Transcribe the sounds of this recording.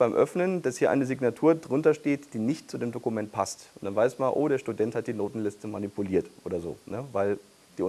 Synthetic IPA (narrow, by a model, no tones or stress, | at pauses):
b̥aɪmʔœ̰fnənd̥ashiːɐʔa̰ɪnəzɪɡnatʰuːɐdʁʊntɐʃteːtd̥iːnɪçtt͡sudeːmdokumɛnt̚pʰastʔʊntd̥anvaɪsmalʔo̰ːɾeːɐʃtudɛnthat̚d̥iːnoːtn̩lɪstəmanipuliːɐtʔoːdɐzo̰ːnəvaɪl | d̥iːʊ